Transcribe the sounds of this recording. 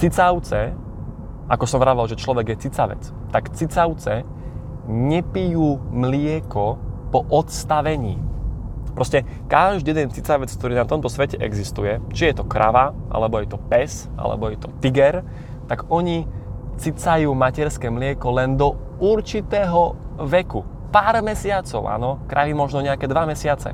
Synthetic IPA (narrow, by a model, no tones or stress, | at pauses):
t͡sit͡saʊt͡sɛ | ʔakɔsɔmɾaʋalʒɛt͡ʃlɔʋɛɡjɛt͡sit͡saʋɛ̰t͡s | t̪akt͡sit͡saʊt͡sɛ | ɲɛpijuːmlɪɛkɔpɔʔɔt̪st̪aʋɛɲḭː | pɾɔscɛ | kaʒd̪ijɛd̪ɛnt͡sit͡saʋɛt͡sk̚t̪ɔɾiːnat̪ɔmt̪ɔsʋɛcɛʔɛ̰ɡzist̪ujɛt͡ʃijɛt̪ɔkɾʔa̰ʋaʔa̰lɛbɔjɛt̪ɔpɛs | ʔa̰lɛ̰bɔjɛt̪ɔt̪iɡɛɾ | t̪aɡɔɲit͡sit͡sajuːmacɛɾskɛːmlɪɛkɔlɛnd̪ɔ | uɾt͡ʃit̪ɛːɦɔʋɛku | paːɾmɛsɪat͡sɔʊʔa̰ːnɔkɾʔaʋimɔʒnɔɲɛakɛːd̪ʋamɛsɪat͡sɛ̰